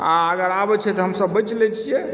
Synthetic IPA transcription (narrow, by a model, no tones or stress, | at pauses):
aəɡəɾabɛt͡ʃʰɛt̪ɔɦəmsəbːət͡ʃlɛt͡ʃʰijɛ